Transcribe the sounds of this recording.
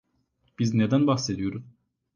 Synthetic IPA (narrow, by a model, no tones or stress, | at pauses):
b̥iznɛd̪ænbaxsed̪ijoɾuz